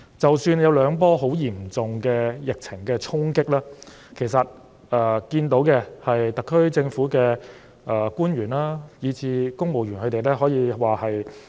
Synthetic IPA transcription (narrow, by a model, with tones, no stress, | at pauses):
t͡sɐ˨wsyː˧njɐ˨˧wlœː˨˧ŋpɔː˥ɦo˨˥wjiː˨˩mt͡sʊ˨ŋkɛː˧jɪ˨k̚t͡sʰɪ˨˩ŋkɛː˧t͡sʰʊ˥ŋkɪ˥k̚laː˥ | kʰe˨˩jsɐ˨t̚ | ʔɛː˨˩kiː˧nt̪o˨˥wkɛ˧hɐ˨jt̪ɐ˨kʰːɵ˥ɥt͡sɪ˧ŋfuː˨˥kɛː˧ | ʔɛː˨˩kuː˥nɥyː˨˩nlaː˥jiː˨˧t͡sʰiː˧kʊ˥ŋmo˨wjyː˨˩nkɵ˨˧t̪e˨jlɛː˥ɦɔː˨˥jiː˨˧waː˨hɐ˨j